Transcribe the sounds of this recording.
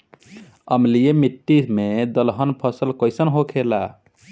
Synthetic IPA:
əmlijemiʈːimed̪əlɦənpʰəsəlkəɪsənɦokʰela

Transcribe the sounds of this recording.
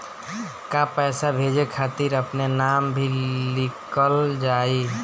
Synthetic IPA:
kãpɛːsabʱed͡ʒekʰat̪iɾəpnenambʱilikəld͡ʒai

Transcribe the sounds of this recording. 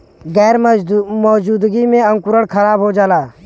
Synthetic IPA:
ɡɛːɾmɔːd͡ʒuːd̪ɡiːmẽːə̃ŋkʊɾəɽkʰəɾaːbɦoːd͡ʒaːlaː

